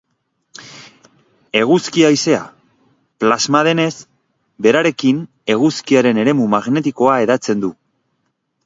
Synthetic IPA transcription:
e̞ɣuskiajse̞a̰ | plazmað̞e̞ne̞s | be̞ɾaɾe̞kin | e̞ɣuskiaɾe̞ne̞ɾe̞mumaɣne̞t̪iko̞ae̞ðat͡se̞nd̪u

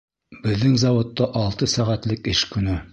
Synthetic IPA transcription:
bɘ̆ðːɘŋzɑwŏt̪ːɑʔɑlˠt̪ɤsæʁæt̪lɘkɘʃkɵ̆nɘ

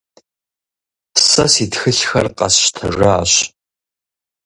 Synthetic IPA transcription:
sɐsitxɨɬxɐ̰rqɑ̰sʃtʰɨʐaːɕ

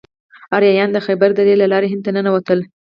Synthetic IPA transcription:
ɑɾjɑjɑnd̪əxajbaɾd̪aɾelalɑɾeɦɪnd̪̚t̪anənawat̪əl

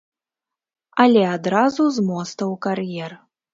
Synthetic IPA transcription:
ɐlʲɛad̪ɾazuzmɔst̪ɐwkarjɛr

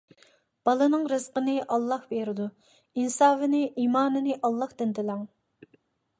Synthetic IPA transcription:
b̥ɑlˠɨnɨŋɾɨzqənɨʔɑlˠːɑhbeɾɪd̪u | insɑːvɪnɪʔiːmɑːnɨnɨʔɑlˠːɑhd̪ɪnd̪ɪlɛŋ

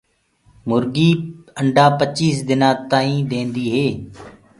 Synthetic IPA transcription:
mʊɾɡiːəɳɖaːpət͡ʃiːsd̪ɪnãːt̪aːĩːd̪ẽːnd̪iːɦeː

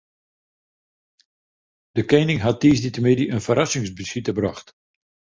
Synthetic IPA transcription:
d̥əkejnɪŋɦatːiːsditəmediʔənfəɾɑsɪŋsbəsitəbra̰χt

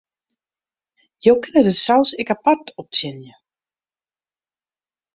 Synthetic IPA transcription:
jowkɪnɛðɪsawsekapat̪ɔwp̚t̪ʰɛːnjʏ

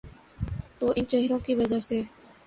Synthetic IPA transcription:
t̪oːʔɪnt͡ʃeɦɪɾõːkiʋəd͡ʒaɦseː

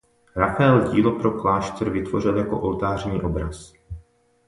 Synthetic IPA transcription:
ɾafaɛlɟiːlo̞pɾoklaːʃt̪ɛɾvɪt̪vo̞r̝ɪljako̞̰ʔolt̪aːr̝ɲiːʔo̞bɾas

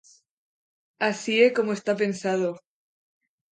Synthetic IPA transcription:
asieko̞moest̪ape̞nsað̞o

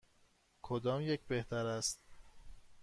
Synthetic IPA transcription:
kʰod̪ɒːmjecʰbe̞ht̪ʰæɾæst̪̚

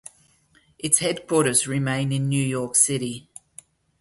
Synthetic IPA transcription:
ʔɪtshɛdkʰw̥ɔˑɾəzɹɪmẽɪ̃nɪ̃nːjʉːjɔˑksɪɾi

